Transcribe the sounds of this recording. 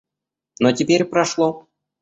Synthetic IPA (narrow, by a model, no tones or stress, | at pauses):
notʲɪpʲeɾʲpɾɐʂlˠo